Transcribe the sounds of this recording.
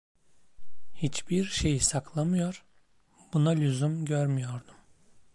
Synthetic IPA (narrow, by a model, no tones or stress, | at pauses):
hit͡ʃbiɾʃe̞jisakʰlˠamɯjo̞ɾ̥ | b̥unalʲyzymɟøɾmyjo̞ɾd̪um